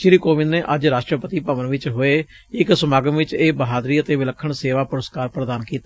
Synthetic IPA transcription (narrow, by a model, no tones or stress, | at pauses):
ʃɪɾiːkoːʋɪ̃nd̪neːʔəd͡ʒɾaːʃʈɾəpət̪iːpəʋənʋɪt͡ʃɦoːeː | ɪksəmaːɡəmʋɪt͡ʃeːbəɦaːd̪ɾiːət̪eːʋɪləkʰːəɳseːʋaːpʊɾəskaːɾpɾəd̪aːnkiːt̪a